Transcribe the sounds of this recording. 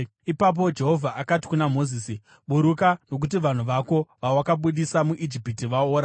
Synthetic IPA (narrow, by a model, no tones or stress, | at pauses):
ipap̬o̞d͡ʒe̞ɦo̞vʱaʔakati̥kunamo̞ziːsi | ɓuɾukano̞k̬utiʋan̤uʋako̞ʋawakaɓuɗisamuʔid͡ʒipitiʋaoːɾa